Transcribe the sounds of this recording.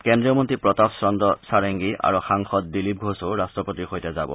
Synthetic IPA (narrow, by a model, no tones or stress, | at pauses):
kɛndɹijɔmontɹipɹɔtapsɹɔndɔsaɹeŋɡiʔa̰ɹuxaŋxɔt̚dilip̚ɡʱosoɹastɹɔpotixojtɛzabɔ̰